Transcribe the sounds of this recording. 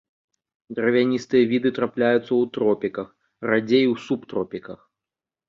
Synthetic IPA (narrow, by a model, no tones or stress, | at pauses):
d̪ɾɐvʲanʲist̪ɨjɐvʲid̪ɨt̪ɾaplʲajut̪sːɐwt̪ɾɔpʲikɐx | rad͡zʲejwsupt̪ɾɔpʲikɐx